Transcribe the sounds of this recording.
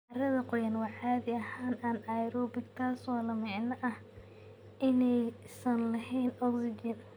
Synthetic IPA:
ʔɐrɐðɐqɔjɐnwɑʕaːðɪɐhaːnaːnajɾɔːbɪɡt̪ʰaːswɑːlɐmɑʕnɐʔɐh | ʔɪnɛjsɐnlɐɦɛjnɔɡsɪd͡ʒɪn

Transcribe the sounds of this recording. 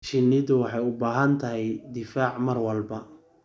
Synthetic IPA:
ʃɪnːɪðʊwɑħɑjʊbaːɦɐnt̪ʰɐɦɛjd̪ɪfaːʕmɐrwɐlbɐ

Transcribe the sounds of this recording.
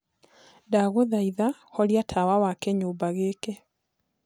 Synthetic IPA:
daɣoðaiðahɔɾiatʰawawakɛɲoːbaɣeːkɛ

